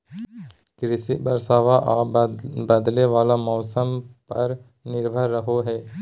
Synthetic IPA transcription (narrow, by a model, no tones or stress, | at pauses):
kɾɪsɪbəɾsaːʋaʔaːbəd̪leʋaːlamɔːsəmpɐɾ | nɪɾbʱəɾːəɦoɦɛː